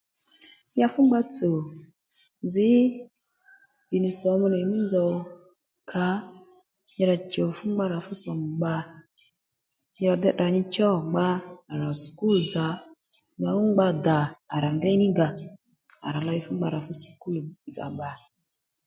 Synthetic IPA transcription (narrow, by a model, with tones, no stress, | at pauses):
ja˦fu˦ŋ͡mɡ͡ba˧t͡so˨ | nd͡zɪ˨˦ | bi˨ni˨sɔ˨˦mu˦ne˨mi˦nd͡zɔ˨ | kʰa˨˦ | ɲɛ˧ɾa˨t͡ʃo˨fu˦ŋ͡mɡ͡ba˧ɾa˨fʊ˦sɔ˨m˨ɡ͡ba˧ | ɲɛ˧ɾa˨dɛ˦ɗa˨ɲi˧t͡ʃɔ˦˨ŋ͡mɡ͡baː˧˨ɾa˨sku˦ld͡za˨˦ | ɲ˨a˨˦u˦ɡ͡ba˧da˨a˨ɾa˨ŋɡɛ˦ni˦ɡa˨ | a̰˨ɾa˨la˧i˧fu˦ŋ͡mɡ͡ba˧˨ɾa˨fu˦sku˦ld͡za̰˨ɓa˨